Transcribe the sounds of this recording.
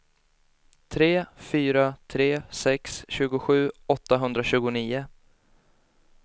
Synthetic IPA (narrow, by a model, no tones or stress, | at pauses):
t̪ʰɾeːfyːɾat̪ʰɾeːsɛksɕʉ̟ːɡʊɧʉ̟ːɔt̪ːaɦɵnd̪ɾaɕʉ̟ːɡʊniːʊ